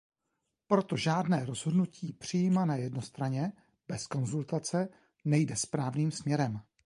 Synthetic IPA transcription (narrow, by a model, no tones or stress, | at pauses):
pɾo̞t̪o̞ʒaːdnɛːɾo̞zɦo̞dnuciːpr̝̥ijimanajɛdno̞st̪ɾaɲɛ | b̥ɛsko̞nzult̪at͡sɛ | nɛjdɛspɾaːvniːmsmɲɛɾɛm